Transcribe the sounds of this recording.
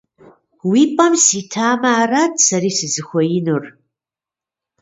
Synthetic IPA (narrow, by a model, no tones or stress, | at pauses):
wiːpʼɐmsiːtʰaːmɐːrɐdsɐɾiːsɨzɨxʷɔjɪnur